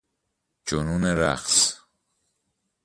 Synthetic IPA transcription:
d͡ʒonuːneɾæ̰χs

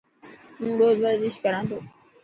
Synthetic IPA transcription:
mũːɾoːzʋəɾzɪʃkəɾãːt̪ʰoː

